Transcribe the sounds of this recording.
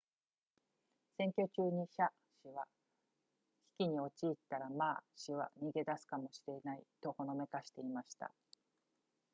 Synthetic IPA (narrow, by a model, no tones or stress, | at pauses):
sẽ̞ŋkʲo̞t͡ɕɨːɲ̟iɕa | ɕiβa | çʲi̥kʲiɲ̟io̞t͡ɕiːt̪ːaɾamaːɕiβa̰ɲ̟iɡe̞d̪asɨ̥kamo̞ɕiɾe̞nait̪o̞ko̞no̞me̞kaɕi̥t̪e̞imaɕi̥t̪a̰